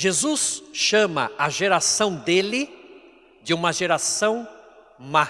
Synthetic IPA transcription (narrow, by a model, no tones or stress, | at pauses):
ʒezusʃɐ̃mɐ̰ɐʒeɾasɐ̃w̃d̪elɪ | d͡ʒɪũmɐʒeɾasɐ̃w̃ | ma